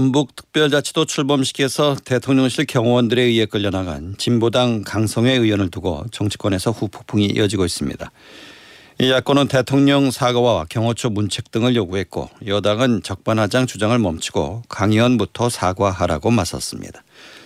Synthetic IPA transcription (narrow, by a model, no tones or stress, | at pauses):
ambuk̚tʰɯ̥k̚p͈jʌɭd͡ʑat͡ɕʰi̥dot͡ɕʰuɭbʌmɕʰi̥ɡe̞sʰʌte̞tʰoŋɲʌŋɕʰiɭkjʌŋwʌndɯɾe̞iek͈ɯʎːʌnaɡa̰nt͡ɕimbodaŋkaŋsʰʌŋe̞ɯjwʌnɯɭtuɡo̰t͡ɕʌŋt͡ɕʰi̥k͈wʌne̞sʰʌɸupʰo̥pʰuŋiḭʌd͡ʑiɡois͈ɯmɲḭda | ijak͈wʌnɯnte̞tʰoŋɲʌŋsʰaɡʌwawakjʌŋwʌt͡ɕʰomunt͡ɕʰek̚t͈ɯŋɯɭjoɡuɦe̞t̚k͈o̰jʌdaŋɯnt͡ɕʌk̚p͈anɦad͡ʑaŋt͡ɕud͡ʑaŋɯɭmʌmt͡ɕʰi̥ɡo̰kaŋwʌnbutʰʌsʰaɡwaɦaɾaɡomasʰʌ̰s͈ɯmɲḭdḁ